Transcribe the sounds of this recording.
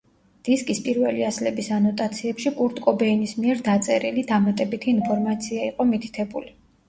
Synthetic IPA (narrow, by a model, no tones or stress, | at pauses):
d̪̥iskʼispʼiɾvɛliaslɛbisanɔt̪ʼat̪sʰiɛpʃikʼuɾt̪ʼkʼɔbɛinismiɛɾd̪at̪sʼɛɾilid̪amat̪ʼɛbit̪ʰiːnpʰɔɾmat̪sʰiaiqʼɔmit̪ʰi̥t̪ʰɛbuli